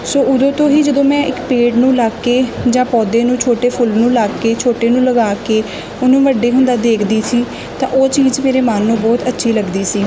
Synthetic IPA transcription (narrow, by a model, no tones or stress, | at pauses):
soːʊd̪õːt̪õːɦiːd͡ʒəd̪õːmɛ̃ːʔɪkpeːɖnũːlaːkːeːd͡ʒãːpɔːd̪eːnũːt͡ʃʰoːʈeːpʰʊlnũːlaːkːeːt͡ʃʰoːʈeːnũːləɡaːkeː | ʊnũːʋəɖeːɦʊnd̪aːd̪eːkʰd̪iːsiː | t̪ã̰ːʔoːt͡ʃiːd͡ʒmeːɾeːmaːnːũːbɔːt̪ətːʃʰiːləɡd̪iːsiː